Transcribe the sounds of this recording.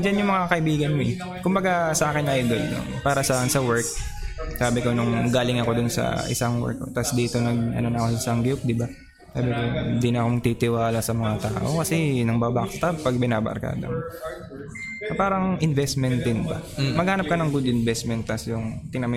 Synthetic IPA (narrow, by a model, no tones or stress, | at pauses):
d͡ʒanjʊŋmɐŋakɐʔɪbiːɡɐnmoɛ | kʊmbɐɡasɐʔaːkɪnʔajd̪o̞lnʊ̰ŋpaːɾɐsaːʔnsɐwɛɹk̚ | saːbɪko̞nʊŋɡaːlɪŋɐko̞d̪ʊnsɐ̰ʔɪ̰saŋwɛ̰ɹkːot̪asd̪iːt̪o̞nɐɡ̚ɐ̰nonɐkosʊsɐŋɡɪp̚d̪ɪba | saːbɪkoɪnd̪inɐɐkoŋt̪it̪ɪwaːlɐsɐmɐŋat̪ɐka̰ʔokɐsɛnɐŋbaːbakst̪ɐpɐɡ̚bɪnaːbɐ̰ɾka̰ːd̪ɐ̰m | ɐpaːɾɐŋʔɪnvɛst̪mɛnt̪ɪnba̰mɐɡ̚haːnɐp̚kɐnɐŋɡud̪ɪnvɛst̪mɛnt̪ːasjʊŋt̪ɪnɐm